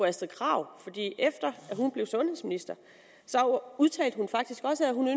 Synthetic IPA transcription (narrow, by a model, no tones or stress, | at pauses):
ɒ̽æsd̥ɐkʰʁɑ̰̈ʊ̰fɒ̽d̥ḭːʔefd̥ɐæɦunb̥le̝ʊsɔ̽nheðˠsminisd̥ɐ | sɒ̽uðˠt͡sʰɛ̰ːldəhunfɑ̈ɡ̥̚d̥isɡ̥ɒ̽səæɦhunø